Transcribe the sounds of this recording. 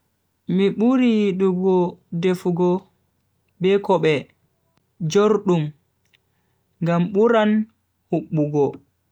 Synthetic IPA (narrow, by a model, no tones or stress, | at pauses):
miɓuɾijiɗuɡɔdefuɡɔ | bɛkɔɓɛ | d͡ʒoɾɗum | ŋɡamɓuɾan | huɓːuɡɔ